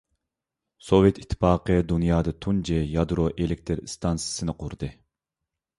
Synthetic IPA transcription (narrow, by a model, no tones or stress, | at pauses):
sovjet̪ʰi̥t̪ʰːɨ̥pɑːqʰəd̪unjɑːd̪ɨt̪ʰund͡ʒɛjɑd̪ɾoʔelek̚ʲt̪ʰɨɾst̪ʰɑnsɨ̥sɨnɨqʰʊɾd̪ɨ